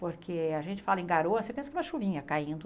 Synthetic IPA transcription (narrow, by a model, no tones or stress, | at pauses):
poɾkʰeaʒẽnt͡ʃɪ̥falɐẽɡaɾoɐsepẽsɐkɛũmɐʃuvĩɲɐkaĩnd̪ʊ